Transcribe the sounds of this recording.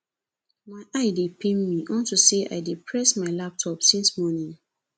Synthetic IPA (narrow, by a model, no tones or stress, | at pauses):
maɪʔaɪdepʰẽnmiʔɔ̃ntuseʔa̰ɪdepʰɹɛsmaɪlap̚tʰɔpsĩnsmɔnĩŋ